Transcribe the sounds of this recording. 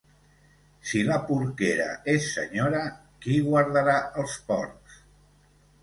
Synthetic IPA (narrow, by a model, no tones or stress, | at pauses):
siləpuɾkeɾə̰esːə̰ɲoɾə | kiɣwaɾðəɾaəlˠspɔ̰ɾs